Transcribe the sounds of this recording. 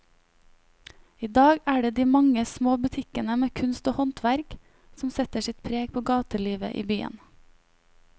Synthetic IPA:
iːd̪ɑːɡæːɖeːd̪iːmɑŋəsmoːbʉt̪ʰɪkənəmeːkʰʉnst̪oːhɔnt̪ʰʋæɾk | sm̩sɛt̪əʃɪt̪pʰɾeːɡ̚pʰoːɡɑːt̪əliːʋə̰ʔḭːbyːə̰n

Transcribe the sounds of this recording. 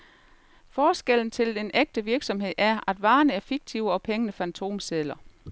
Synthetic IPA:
fɒːsɡ̥el̰n̩t͡sʰe̝ld̥eneɡ̥̚d̥əʋiɐɡ̥sɒ̽mɦe̝ð̞̰ˠæɐʔæd̥ʋɑ̈ːnəæɐfiɡ̥̚t͡sʰiʊɒ̽pʰeŋənəfænt͡sʰo̝̰ːmselɐ

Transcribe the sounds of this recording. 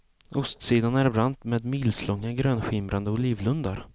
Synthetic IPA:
ʔʊst̪siːd̪anæɾbɾant̪meːd̪mɪlslɔŋːaɡɾøːnɧɪmɾʔand̪əʊliːvlɵnd̪aɾ

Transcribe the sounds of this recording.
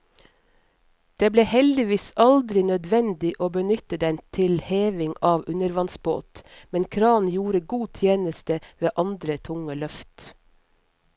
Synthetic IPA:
d̪̥eːbleːhɛld̪ɪʋiːsɑld̪ɾɪnœd̪ʋɛnd̪ɪʔoːbənʏt̪əd̪ɛnt̪ʰɪlheːʋɪŋɑːʋʉnəɾʋɑnsbo̰ːt̪mɛnkʰɾɑːnjuːɾəɡuːt̪ʰjeːnəst̪əʋeːʔɑnd̪ɾət̪ʰʊŋəlœft̪

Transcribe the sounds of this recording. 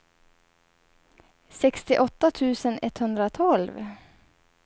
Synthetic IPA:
sɛkst̪ɪʔɔt̪ːat̪ʰʉːsənɛt̪hɵnd̪ɾat̪ʰɔlv

